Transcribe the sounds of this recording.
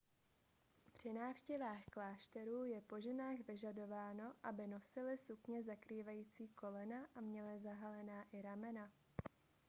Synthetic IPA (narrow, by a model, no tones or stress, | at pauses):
pr̝̥ɪnaːfʃcɛvaːxklaːʃt̪ɛɾuːjɛpo̞ʒɛnaːɣvɪʒado̞vaːno̞ʔabɪno̞sɪlɪsukɲɛzakɾiːvajiːt͡siːko̞lɛnaʔamɲɛlɪzaɦalɛnaːʔɪɾamɛna